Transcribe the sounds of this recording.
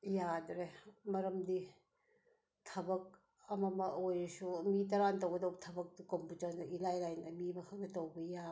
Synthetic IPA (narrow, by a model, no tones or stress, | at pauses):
jadɾemɐɾɐmdi | tʰɐbɐk̚ | ɐmɐmɐojsumit̬ɐɾantɐwɡɐdɐwtʰɐbɐk̚dukomputanɐilajlajnɐmimɐkʰak̚nɐtɐwbɐja